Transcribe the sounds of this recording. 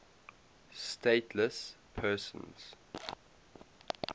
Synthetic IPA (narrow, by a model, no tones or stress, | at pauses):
stʰeɪtʰləs | pʰɜːˑsə̰̃nz̥